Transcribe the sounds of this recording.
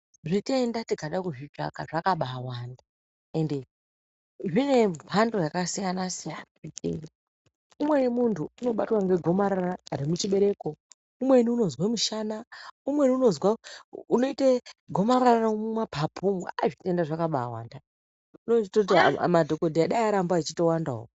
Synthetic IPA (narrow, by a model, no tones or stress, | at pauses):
ʐitendatikaɗakuʐid͡ʒa̰kaʐakaɓawaːnda | e̞nde | ʐine̞andojakasijanasijanaitḛni | umwe̞nimuntʰuuno̞ɓatwaŋɡe̞ɡʱo̞maɾaɾaɾemut͡ʃiɓe̞ɾe̞ko | umwe̞niuno̞zwamuʃanaumwe̞niuno̞zwauno̞iteɡʱo̞maɾaranamumapʰapʰuŋɡa̰aʐitendaʐakaɓaːwa̰ːnda | unot͡ʃitout̬ḭmadʱokodʱijaɗaiaɾambait͡ʃito̞wandaɦo̰ko